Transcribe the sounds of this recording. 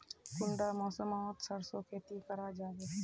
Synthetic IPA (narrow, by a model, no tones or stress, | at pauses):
kʊɳɖamɔːsəmat̪səɾsokʰeːt̪ikəɾaːd͡ʒaːɡe